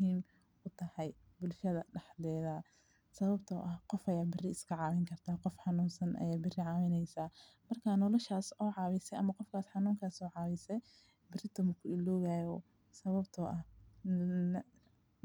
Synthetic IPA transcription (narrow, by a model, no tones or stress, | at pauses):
hiːm | kʊt̪ʰɐhɛj | bʊlʃɐðɐɖɐħd̪ɛːðaː | sɐβɐbt̪ʰɔːʔɐhqɔfɐjaːbɪrɪɪskʰɐʕɑːwɪŋkʰɐrt̪ʰaːqɔfħɑnuːnsɐnʔɐ̰jaːbɪrɪʕɑːwɪnɛjsaː | mɐrkʰanɔlɔʃaːsɔːʕɑːwɪsɛjʔɐmɐqɔfkʰaːsħɑnuːŋkʰaːsɔːʕɑːβisɛj | bɪrɪt̪ʰʊmʊkʰʊɪlɔːɣaːjɔː | sɐβɐbt̪ʰɔːʔɐh